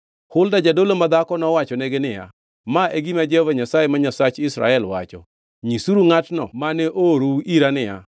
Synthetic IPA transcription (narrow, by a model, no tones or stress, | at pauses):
hʊldad͡ʒadolomad̪akɔnɔwat͡ʃɔneɡenɪja̰ | maʔeɡimad͡ʒɛhɔvaɲasajemaɲasat͡ʃɪsɾa̰ɛlwa̰t͡ʃɔ̰ | ɲisuɾuŋatnɔ̰manɛʔoɾuiɾanɪja̰